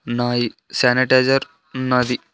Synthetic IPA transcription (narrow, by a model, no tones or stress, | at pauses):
naːjisaːniʈaːzɐɾ | nɐd̪i